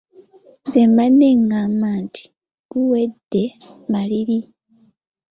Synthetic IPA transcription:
zemaneŋɡamaːntʰi̥ | ɡuwedːe̞ | maliɾi

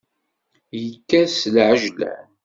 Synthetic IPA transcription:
jəkːæslʕəʒlæ̰

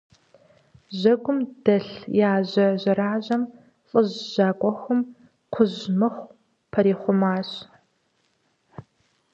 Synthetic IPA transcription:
ʑɐɡʷʊmd̥ɐɬjaːʑɐʑɐɾaːʑɐm | ɬʼɨʑːaːkʷʼɔxʊm | qʷʰʊʑmɨχʷ | pʰɐɾiːχʷʊmaːɕ

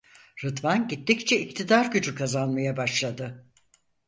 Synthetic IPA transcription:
ɾɯt̪vanɟit̪ːict͡ʃʰɛict̪ʰid̪aɾɟyd͡ʒykʰazanmajabaʃlˠad̪ɯ

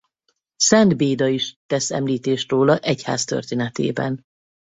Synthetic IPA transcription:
sɛnd̪beːd̪ɒiʃt̪ɛsɛ̰mliːt̪eːʃt̪roːlɒʔɛcha̰ːst̪ø̰rt̪eːnɛt̪ḛːbɛ̰n

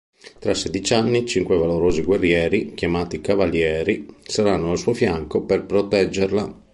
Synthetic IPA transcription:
t̪ɾased̪it͡ʃanːit͡ʃiŋkwevaloɾoːziɡwerːjɛːɾik̟jamaːt̪ikavaljɛːɾisaɾanːoalsuofjaŋkoperpɾot̪ɛd͡ʒːerla

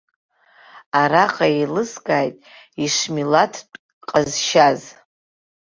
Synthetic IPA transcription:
aɾaqʼailɨsɡʼaːjtʼ | iʂmilatʰʷʼ | qʼazʃaz

